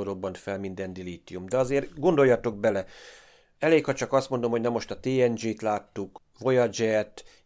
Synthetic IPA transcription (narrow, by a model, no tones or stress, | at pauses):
oɾobːɒnt̪fɛlmind̪ɛnd̪iliːt̪ijumd̪ɛɒzeːrɡo̞nd̪o̞jːɒt̪o̞ɡ̚bɛlɛ | ɛleːkhɒt͡ʃɒkɒst̪mond̪o̞mhonɛmːo̞ʃt̪ɒt̪eːɛnd͡ʒeːt̪laːt̪ːuk | vo̞jɒd͡ʒɛt̪